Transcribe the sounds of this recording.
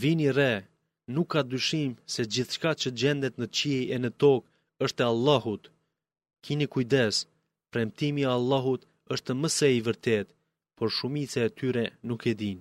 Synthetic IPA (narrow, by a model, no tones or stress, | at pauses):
vinirɛ | nukʰːad̪yʃimsɛd͡ʑiθʃkat͡ɕəd͡ʑɛnd̪ɛt̪nət͡ɕijɛnət̪ɔk | əʃt̪ɛalˠːahut̪ | kʰinikujd̪ɛs | pɾɛmt̪imialˠːaɦut̪ | əʃt̪əməsɛivəɾt̪ɛt̪ | pʰɔɾʃumit͡saɛt̪ʰyɾɛnukɛd̪in